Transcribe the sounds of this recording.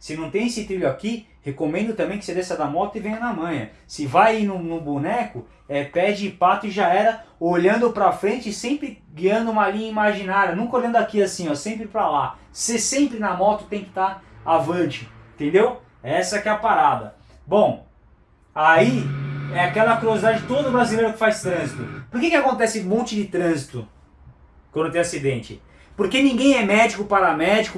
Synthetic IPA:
sɪnɐ̃w̃t̪ẽj̃esɪt̪ɾiʎʊaki | hekomẽnd̪ʊt̪ɐ̃mbẽj̃kɪ̥sed̪esɐd̪amɔt̪ʊɪvẽjɲ̃ɐnɐmɐ̃j̃ɐ | sɪvajinʊnʊbunɛkʊ | ɛpɛd͡ʒɪpat̪ʊɪʒaɛɾɐoʎɐ̃nd̪ʊpɾɐfɾẽnt͡ʃɪsẽpɾɪ | ɡiɐ̃nd̪ʊũmɐlĩɲɐimaʒinaɾjɐnũkɐolʎɐ̃nd̪ʊakiasĩɲɔsẽmpɾɪpɾala | sesẽmpɾɪnɐmɔt̪ʊ̥t̪ẽj̃kɪ̥t̪aɾavɐ̃d͡ʒɪẽt̪ẽnd̪ew | ɛsɐɛkɛɐpaɾad̪ɐ̰ | bõw̃ | aiɛakɛlɐkuɾiozid̪ad͡ʒɪd͡ʒɪt̪od̪ɐd̪ʊbɾazilejɾʊkɪ̥fajst̪ɾɐ̃zit̪ʊpoɾkekɪakõnt̪ɛsɪmõt͡ʃɪd͡ʒɪt̪ɾɐ̃zit̪ʊ | kwɐ̃nd̪ʊt̪ẽasid̪ẽnt͡ʃɪ | poɾkenĩɡẽj̃ɛmɛd͡ʒikʊpaɾɐmɛd͡ʒikʊ

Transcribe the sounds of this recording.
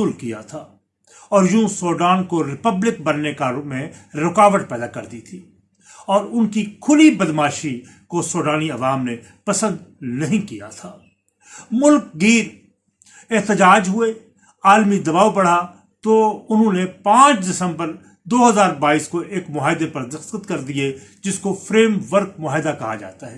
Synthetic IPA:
uːlkija̰t̪ʰaː | ɔːɾjũːsoːɖaːnkoɾɪpəblɪk̚bɐnːekamẽɾɪkaːʋəʈpɛːd̪akɐɾd̪it̪ʰiː | ɔːɾʊnkikʰʊlibɐd̪maːʃi | kosoːɖaːniɐʋaːmne | pɐsə̃nd̪nɐɦĩkija̰t̪ʰaː | mʊlk̚ɡiːɾ | eɦt̪ɪd͡ʒaːd͡ʒɦʊe | aːlmid̪ɐbaːʋbɐɽ̤a | t̪oʊnɦõnepãːt͡ʃdɪsə̃mbəɾ | d̪oːɦɐzaːɾbaːiːskoʔeːkmʊɦaːɦɪd̪epɐɾd̪ɐxt̪ət̪kɐɾd̪ied͡ʒɪskofʰɾeːmʋəɾk̚mʊɦaːɦɪd̪akɐɦa̰d͡ʒa̰ːt̪aɦɛː

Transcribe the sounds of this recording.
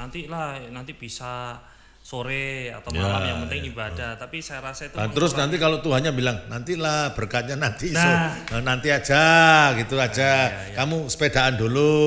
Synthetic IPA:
nant̪ilanant̪ib̥isa | soɾea̰t̪amjaaamənt̪ɪŋibadat̪apisajaɾasait̪uat̪əɾʊsnant̪ikalot̪uɦanɲabilaŋnant̪ilahb̥ərkat̪̚ɲanant̪isʊənant̪iḁd͡ʒ̥aɡit̪uad͡ʒa | kamusə̥pedaʔandulu

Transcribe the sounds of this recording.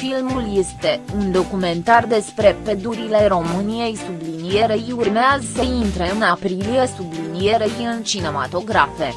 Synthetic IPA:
filmulje̞st̪e̞und̪o̞kume̞nt̪ard̪e̞spɾe̞pe̞d̪uɾile̞ɾo̞mɨnije̞jsublinije̞ɾejurmeazəsəint̪ɾe̞ɨnapɾilije̞sublinije̞ɾejɨnt͡ʃine̞ma̰t̪o̞ɡɾafe̞

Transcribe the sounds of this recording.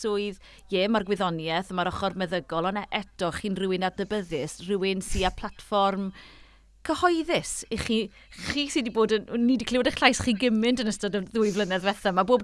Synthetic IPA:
sʊːɨð | jɛːmarɡwɪðɔnjɛθəmaɾɔχɔrmɛðəɡɔlˠɔnaʔɛtɔχiːnrɪwɪnadəbəðɪsrɪwɪnsiːapʰl̥ˠatfɔrm | kʰəhɔɨðɪsiχiː | χiːsɪdiboːdənnːidikʰlɪwdɛχɬajsχiːɡɪmɪndənəstɔdəðʊːɨvlˠənɛðvɛθamaboːb

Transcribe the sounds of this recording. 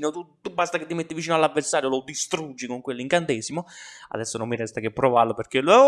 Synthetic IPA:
not̪ut̪ubast̪aket̪ːimet̪ːivit͡ʃiːnoalːavːersaːɾjolod̪ist̪ɾud͡ʒːikoŋkwelːiŋkant̪ɛːsimoa̰d̪ɛsːonomːiɾɛst̪akepːɾovarloperkel

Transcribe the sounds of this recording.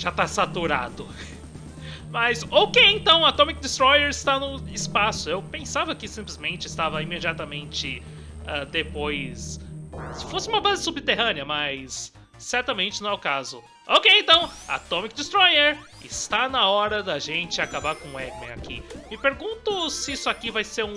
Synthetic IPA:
ʒ̥at̪asat̪uɾa̰d̪ʊ | mɐzokejẽt̪ɐ̃w̃at̪õmik̚d͡ʒ̪ɪst̪ɾɔjeɾɪst̪anʊɪspasʊewpẽsavɐkɪsĩplɪzmẽnt͡ʃɪɪst̪avɐimed͡ʒiat̪ɐmẽnt͡ʃɪ | ɛd̪epojssɪfosɪũmɐbazɪsubɪt̪eɦɐ̃nɪɐmɐjsː | ɛɾt̪ɐmẽnt͡ʃɪnɐ̃w̃ɛʊkazʊ̰ | okejẽnt̪ɐ̃w̃a̰t̪õmik̚d͡ʒ̪ɪst̪ɾɔjeɾ | ɪst̪anɐɔɾɐd̪ɐʒẽnt͡ʃɪakabaɾkõɛɡmḛ̃a̰kʰḭmɪpeɾɡũnt̪ʊsɪisʊakivajseɾũ

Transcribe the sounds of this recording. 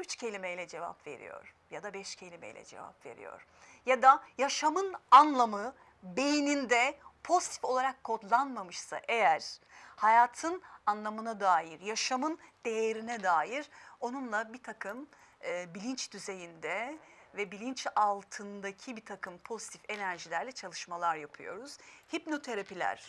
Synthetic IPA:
yt͡ʃcʰe̞lʲimɛjlʲɛd͡ʒe̞va̰pve̞̰ɾḭjo̰ɾ̥ | jad̪abɛʃcʰe̞lʲimɛ̰jlʲɛ̰d͡ʒḛva̰pve̞̰ɾḭjo̞̰ɾ̥ | jad̪ajaʃamɯnanlˠamɯ | be̞jinind̪ɛpʰo̞zi̥t̪ʰi̥fo̞lˠaɾakʰːo̞d̪lˠanmamɯʃsa̰ʔe̞jæɾ̥hajaːt̪ʰɯnanlˠamɯnad̪aːjiɾjaʃamɯnd̪̥e̞jeɾinɛd̪aːjiɾo̞nunlˠabit̪ʰakʰɯmː | bilʲint͡ʃd̪̥yze̞jind̪ɛvɛbilʲint͡ʃalˠt̪ʰɯnd̪acʰibit̪ʰakʰɯmpʰo̞zit̪ʰi̥fenæɾʒilʲæɾlʲɛt͡ʃʰalˠɯʃmalˠaɾjapʰɯjo̞̰ɾuz̥hipno̞t̪ʰe̞ɾapilʲæ̰ɾ̥

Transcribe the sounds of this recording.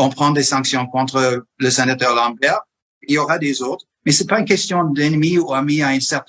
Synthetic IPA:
ɔ̃pχɑ̃d̪esɑ̃ksjɔ̃kɔ̃t̪χələsɛnat̪œʁlɑ̃bɛʁ | ilioʁad̪ezot̪χəmɛsɛpaynkʲɛst̪jɔ̃d̪ɛnmiuamiaynsɛʁt̪

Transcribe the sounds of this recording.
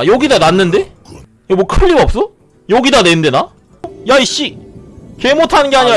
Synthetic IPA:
joɡidananːɯnde̞ | jamokʰɯʎːibʌp̚s͈ʌ | joɡidanende̞na | jaiɕ͈ike̞motʰanɯnɡeaɲiɾa

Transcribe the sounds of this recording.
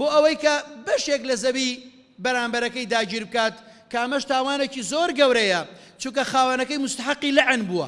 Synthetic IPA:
boːʔɐwɐjkɐbɐʃeklɐzɐbi | bɐɾaːmbɐɾɐkɐjd̪aːd͡ʒiːɾbɨkaːt̪ | kɐʔɐmɐʃt̪aːwaːnet͡ʃizoːɾɡɐwɾɐjɐ | t͡ʃukɐxaːwɐnɐkɐjmʊst̪ɐħɑqːilɪʕnbuɐ̰

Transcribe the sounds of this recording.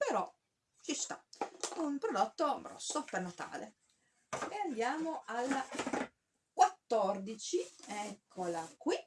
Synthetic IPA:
peɾɔ | t͡ʃist̪aunpɾod̪ot̪ːobɾɔ̰sːopernat̪a̰ːlḛ | eand̪jaːmoʔalː | kwat̪ːɔrd̪it͡ʃiɛkʰːolakwi

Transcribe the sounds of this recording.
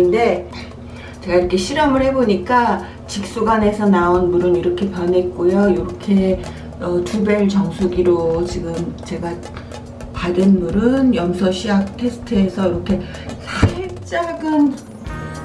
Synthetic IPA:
nde̞ | t͡ɕe̞ɡaiɾʌkʰe̞ɕʰiɾʌmɯɭhe̞boɲik͈a | t͡ɕik̚s͈uɡane̞sʰʌnaonmuɾɯniɾʌkʰe̞pjʌnɦe̞t̚k͈ojojoɾʌkʰe̞ | ʌtʰubeɭt͡ɕʌŋsʰuɡiɾot͡ɕiɡɯmt͡ɕe̞ɡa | padenmuɾɯnjʌmsʰʌɕʰiak̚tʰe̞sʰɯ̥tʰɯesʰʌiɾʌkʰe̞ | sʰaɕip̚t͡ɕ͈aɡɯn

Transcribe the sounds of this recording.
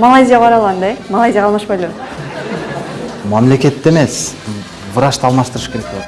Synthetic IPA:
malˠajzʲijaʁɑɾɑlˠɑnd̪ɑjemalˠajzʲijaʁɑlˠmɑʃpajlo | mamle̞kʲe̞t̪ːeme̞s | vəɾɑʃt̪ɑlˠmɑʃt̪əɾəʃkʰeɾek̚boɑt̪

